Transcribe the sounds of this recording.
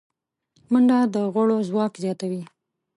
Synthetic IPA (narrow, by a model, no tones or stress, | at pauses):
məɳɖad̪əɣʊɽozwɑkzjɑt̪awi